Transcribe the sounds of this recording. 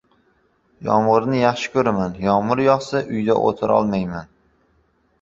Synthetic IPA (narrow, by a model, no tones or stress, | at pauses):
jɒ̰mʁɨɾnɪjɑχʃɪ̥kʲʰɵɾamanjɒmʊɾjɒχsaʔʊjd̪a̰ʔo̰t̪ʰɪɾɒ̰lˠmajman